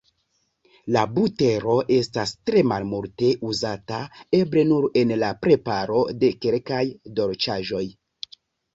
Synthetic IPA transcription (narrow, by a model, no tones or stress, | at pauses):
labute̞ɾo̞ʔe̞stastɾe̞malmulte̞ʔuzatae̞bɾe̞nuɾe̞nlapɾe̞paɾo̞de̞kelkajdo̞ɾt͡ʃaʒo̞j